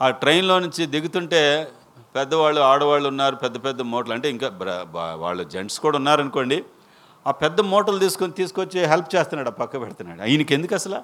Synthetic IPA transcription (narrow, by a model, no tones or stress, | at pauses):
aːʈɾɐjnlo̞ːnuɲt͡ʃid̪iɡut̪uɳʈe̞ː | pɛd̪ːɐʋaːɭːuaːɽɐʋaːɭːuunːaːɾupɛd̪ːɐpɛd̪ːɐmɔːʈɐlɐɳʈe̞ːiŋkaːɐ̰ʋa̰ːɭːud͡ʒeɳʈskuːɽaːunːaːɾɐnuko̞ːɳɖi | aːpɛd̪ːɐmɔːʈɐlt̪iːsu̥konit̪iːsukot͡ʃːiɦelp̚t͡ʃeːst̪unːaːɽɐːpɐkːɐpɛɽɐt̪unːa̰ːɽuɐ̰jɐnike̞nd̪ukɐsɐlaː